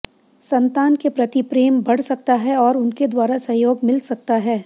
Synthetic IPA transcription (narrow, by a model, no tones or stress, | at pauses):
sɐ̃nt̪aːnkepɾɐt̪ipɾeːmbɐɽ̤sɐk̚t̪aɦɛɔːɾʊnked̪waːɾasɐ̃joːɡmɪlsɐk̚t̪aɦɛː